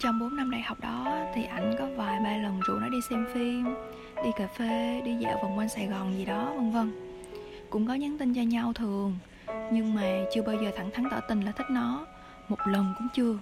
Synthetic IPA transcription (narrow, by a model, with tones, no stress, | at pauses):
t͡ɕɔ˧wŋ͡mɓo˨˦nːa˧mɗa̰˧˩jha˨˩wk͡p̚ɗɔ˨˦t̪ʰi˨˩ʔa˧˩jŋ̟kɔ˨˦vaː˨˩jɓaː˧lə˨˩nzṵ˧˨nɔ˨˦ɗi˧sɛ˧mfi˧m | ɗi˧kaː˨˩fe˧˩ɗi˧zɛ̰˧˥˩wvaː˨˩wkwa˧ŋ̟saː˧˩jɣɔ˨˩nzi˨˩ɗɔ˨˦və˧ŋvə˧ŋ | kʊ̰˧˥ŋ͡mkɔ˨˦ɲa˨˦nt̪ï˧ŋt͡ɕɔ˧ɲa˧wt̪ʰɨ˨˩əŋ | ɲɨ˧ŋmaː˨˩t͡ɕɨ˧əɓaː˧wzəː˨˩t̪ʰa˧˩ŋt̪ʰa˨˦ŋt̪əː˧˩t̪ï˧˩n̟laː˨˩t̪ʰï˦˥k̟̚nɔ˨˦ | mo˨˩t̚lə˨˩nkʊ̰˧˥ŋ͡mt͡ɕɨ˧ə